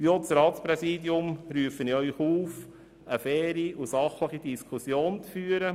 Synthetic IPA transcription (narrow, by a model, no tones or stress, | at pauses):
ʋiot͡sɾɑːtspɾɛsiːd̪jʊmɾyəfənɪœʏχuːf | əfɛːɾiusɑχləχidiskʰusjoːnt͡sfyːəɾə